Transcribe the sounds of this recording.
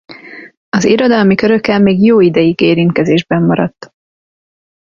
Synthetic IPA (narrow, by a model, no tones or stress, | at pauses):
ɒzeːɾɒd̪ɒlmikøɾøkːɛlmeːɡjoːid̪ɛjiɡeːɾint̪̚kɛzeːʒbɛmːɒɾɒt̪ː